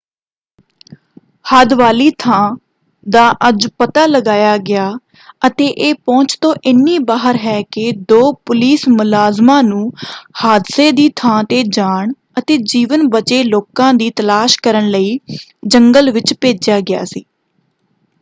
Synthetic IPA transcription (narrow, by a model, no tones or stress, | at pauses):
had̪ʋaːliːt̪ʰãː | d̪aːʔəd͡ʒpət̪aːləɡaːjaːɡɪaː | ət̪eːʔeːpɔ̃ːt͡ʃt̪õːʔɪnːiːbaːɦəɾɦɛːkɪd̪oːpʊliːsmʊlaːzmãːnũːhaːd̪seːd̪iːt̪ʰãːt̪eːd͡ʒaːɳ | ət̪eːd͡ʒiːʋənbət͡ʃeːloːkãːd̪iːt̪əlaːʃkəɾəɳləiːd͡ʒəŋɡəlʋɪt͡ʃpeːd͡ʒjaːɡɪja̰ːsḭː